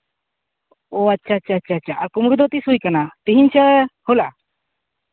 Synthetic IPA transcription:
oatːt͡ʃʰaːtːt͡ʃʰaːtːt͡ʃʰaːt͡ʃʰaʔakumuɾud̪ɔt̪isujkanat̪iɦiɲt͡ʃʰəhula

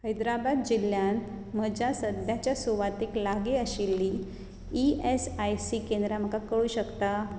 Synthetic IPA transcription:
həjd̪ɾabad̪̚d͡ʑilːjãnt̪ | m̤əd͡ʑasəd̪jat͡ɕjasuʋat̪eklaɡeəɕilːi | iesajsikend̪ɾam̤əkakəɭuːɕəkt̪a

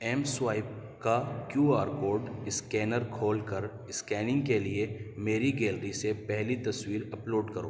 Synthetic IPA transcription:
ɛːmswaːɪp̚ | kakjuːaːɾkoːɾɖɪskɛːnəɾkʰoːlkɐɾ | ɪskɛːnɪ̃ŋɡkeliemeːɾiɡeːlɾisepɛɦlit̪ɐswiːɾɐploːɖkɐɾoː

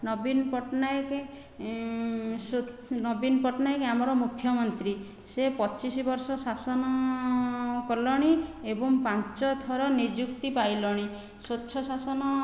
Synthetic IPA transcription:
nɔbinpɔʈnajke | so | nɔbinpɔʈɔnajkeamɔɾɔmukʰːjɔmɔnt̪ɾi | sepɔt͡ʃisibɔɾsɔsasɔnɔ | kɔlɔɽ̃iebɔŋpant͡ʃɔd̪ʱɔɾɔnid͡ʒukt̪ipajlɔɽ̃i | sotːʃʰɔsasɔnɔ

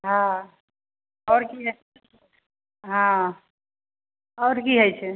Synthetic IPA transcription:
ɦã | ɔːɾkiɦ | ɦã | ɔːɾkiɦəjt͡ʃʰe

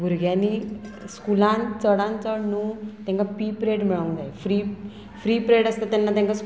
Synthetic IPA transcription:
bʱuɾɡjaniskulãnt͡səɽãnt͡səɽnut̪jãŋkapipɾeɽmiɭəw̃nd͡zajfɾi | fɾiːpɾeɽəst̪at̪anːat̪jãŋkas

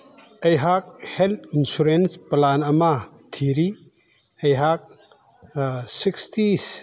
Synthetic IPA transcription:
ejɦak̚helt̪ʰinsuɾensplanɐma | tʰiɾi | ejɦak̚ | sikstis

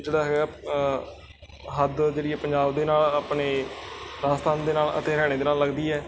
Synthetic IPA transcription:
d͡ʒeːɽaːɦɛːɡɛː | ɦəd̪d͡ʒeːɽiːɛːpəɲd͡ʒaːbd̪eːnaːlaːpɳeːɾaːst̪ʰaːnd̪eːnaːlə̰t̪eːɾɛːɽ̃eːd̪eːnaːlləɡd̪iːɛː

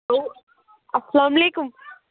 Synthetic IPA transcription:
lo | ɐsɐlaːmɐleːkʊm

